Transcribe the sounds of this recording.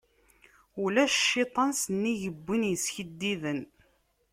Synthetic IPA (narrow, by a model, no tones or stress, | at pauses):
ulæʃʃːɪt̪ˤɑnsənːiʝəbːinjəsçəd̪ːiðən